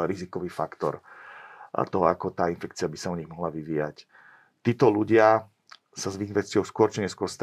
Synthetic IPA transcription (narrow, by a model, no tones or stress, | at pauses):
ɾizikɔʋiːfakt̪ɔ̰ɾ | t̪ɔɦɔa̰kɔt̪aːinfɛkt͡sɪabisaɔɲiɣmɔɦlaʋiʋiːja̰c | t̪iːt̪ɔluɟɪa | sazʋinfɛt͡sɪɔʊskʊɔɾt͡ʃiɲɛskʊɔɾst̪